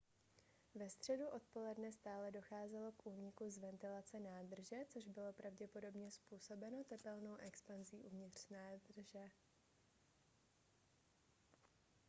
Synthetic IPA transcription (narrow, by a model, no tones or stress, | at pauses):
vɛst̪r̝̥ɛduʔo̞t̪̚po̞lɛdnɛst̪aːlɛdo̞xaːzɛlo̞kʔuːɲɪkuzvɛnt̪ɪlat͡sɛnaːd̪r̩ʒɛt͡so̞ʒbɪlo̞pɾʔavɟɛpo̞do̞bɲɛspuːso̞bɛno̞t̪ɛpɛlno̞wʔɛkspanziːʔuvɲɪt̪r̥naːd̪r̩ʒɛ